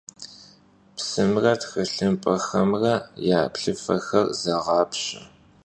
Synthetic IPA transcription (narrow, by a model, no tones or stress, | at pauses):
psɨmrɐtxɨɬɨmpʼɐxɐmrɐjaːpɬɨfɐxɐrzɐʁɑːpɕʼɐ